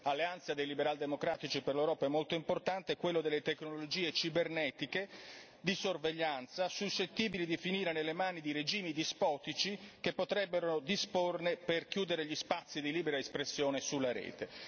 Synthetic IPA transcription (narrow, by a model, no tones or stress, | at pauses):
alːeant̪sad̪ejlibeɾald̪emokɾaːt̪it͡ʃiperlewɾɔːpaɛmːolt̪oimport̪ant̪ekwelːod̪elːet̪eknoolod͡ʒiːet͡ʃibernɛːt̪ike | d̪isorveʎːant̪sasuʃːet̪ːiːbilid̪ifiniːɾenelːemaːnid̪iɾed͡ʒiːmid̪ispɔːt̪it͡ʃikepːot̪ɾɛbːeɾonod̪isporneperkjuːd̪eɾeʎispat̪sːid̪iliːbeɾaespɾesːjoːnesulːaɾɛ̰ːt̪e